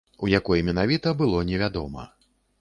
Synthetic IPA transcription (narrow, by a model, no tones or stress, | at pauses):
ujakɔjmʲɛnavʲit̪ɐbɨlˠɔnʲɛvʲad̪ɔ̰mɐ̰